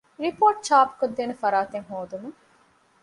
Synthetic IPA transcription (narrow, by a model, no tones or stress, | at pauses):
ɾipoːʈt͡ʃaːpkod̪ːeːnefɐɾaːt̪eŋɦoːd̪unu